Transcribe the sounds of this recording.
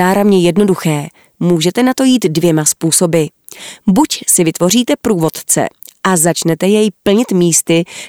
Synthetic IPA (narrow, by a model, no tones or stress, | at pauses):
aːɾavɲɛjɛdno̞duxɛː | muːʒɛt̪ɛnat̪o̞jiːt̪dvjɛmaspuːso̞bɪ | bucsɪvɪt̪vo̞r̝iːt̪ɛpɾuːvo̞t̪t͡sɛ̰ʔazat͡ʃnɛt̪ɛjɛjpl̩ɲɪt̪miːst̪ɪ